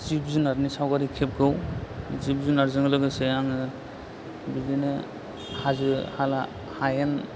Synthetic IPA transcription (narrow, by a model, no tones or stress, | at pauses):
zip̚zɯnaɾnisawɡaɾikʰep̚ɡɯwzip̚zunaɾzɯŋlɯɡɯsejaŋɯ | bidinɯ | hazɯhala | hajen